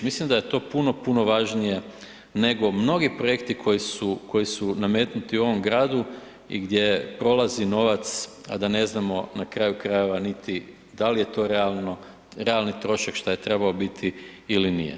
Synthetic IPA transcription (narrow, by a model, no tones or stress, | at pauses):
mislimd̪ajet̪o̞ːpuno̞puno̞ʋaʒnije̞ | ne̞ɡo̞mno̞ɡipɾo̞jekt̪ikʰo̞jisuko̞jisuname̞ːt̪nut̪iuo̞ʋo̞mɡɾaːd̪u | ḭɡd̪ʲje̞pɾo̞lˠazino̞ʋat̪sa̰d̪ane̞znamo̞nakɾaːjukɾaje̞ʋanit̪i | d̪alije̞t̪o̞ɾealno | ɾealˠnit̪ɾo̞ʃakʃt̪aje̞t̪ɾe̞baobit̪ʰiːlinḭjḛ